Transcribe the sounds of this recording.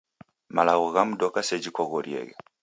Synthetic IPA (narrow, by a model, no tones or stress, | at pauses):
malaɣɔɣam̩dɔkasɛd͡ʒikɔɣɔɾiɛ̰ɣɛ